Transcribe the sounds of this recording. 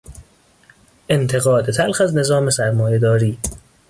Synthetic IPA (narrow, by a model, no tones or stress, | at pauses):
ʔe̞nt̪ʰeɣɒːd̪et̪ʰælxæzne̞zɒːme̞sæɾmɒːje̞d̪ɒːɾiː